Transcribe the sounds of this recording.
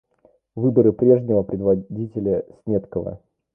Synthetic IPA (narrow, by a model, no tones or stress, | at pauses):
vɨbəɾɨpɾʲe̞ʐnʲɪvəpɾʲɪd̪vɐdʲitʲɪlʲəsʲnʲet̪kəvə̰